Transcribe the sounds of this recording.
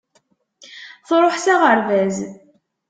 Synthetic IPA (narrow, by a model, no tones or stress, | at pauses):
θɾˤoħsaʁəɾvæz